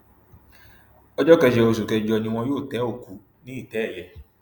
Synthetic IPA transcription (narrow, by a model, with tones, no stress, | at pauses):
ɔ˦d͡ʒɔ˦kɛ˧ʃɛ˨o˨s̬u˨kɛ˧˨d͡ʒɔ˧˦ɲĩ˧wɔ̃˧jo˦˨tɛ˨˦o˨ku˨ | nĩ˨˦i˦˨tɛ˨˦˨lɛ˨